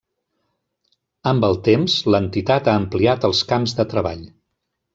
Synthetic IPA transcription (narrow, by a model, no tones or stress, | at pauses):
əmbəlˠt̪emzlənt̪it̪at̪aəmpliat̪əlˠskamzðət̪ɾəβa̰ʎ